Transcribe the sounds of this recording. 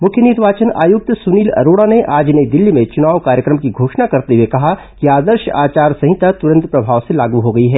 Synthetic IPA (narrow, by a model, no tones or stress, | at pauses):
mʊkʰjənɪɾʋaːt͡ʃəna̰ːjʊk̚t̪sʊniːlɐ̰ɾoːɽaneʔaːd͡ʒned̪ɪlːimẽt͡ʃʊnaːʋwkaːɾjəkɾəmkiɡʱoːʃnakɐɾt̪eɦuekɐɦa | kiaːd̪əɾʃəa̰ːt͡ʃaːɾsɐɦɪ̃t̪at̪ʊɾə̃nt̪pɾɐbʱaːʋselaːɡuɦoɡɐiɦɛː